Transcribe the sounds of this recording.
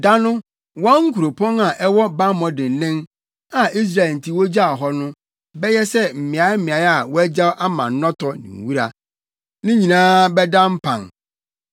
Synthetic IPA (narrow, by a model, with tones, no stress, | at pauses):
da˦nʊ̃˦ | wɔ̃˦ŋ̩˦kʰu˨ɾo˨pʰɔ̃˦na˨ʔɛ˦wɔ˦ba˦mɔ̃˨dɪ̃˨n˨nɪ̃˦n | a˨i˦s̬ɾa˨n̩˨tʰi˦wɔ˦d͡ʑa˦a˨ɦɔ˦nʊ̃˦ | bɛ˦jɛ˦sɛ˦m̩˨mɪ̃˨a˨˦mɪ̃˨a˨ja˨wɔ˦æ˦d͡ʑa˦wʔa˦mã̰˨n˦nɔ̃˦tʰɔ˨nɪ̰̃˨ŋ˨wu˦ɾa˨ | nɪ̃˦ɲĩ˨nãː˦bɛ˦dã˦m̩˦pʰã̰˨ŋ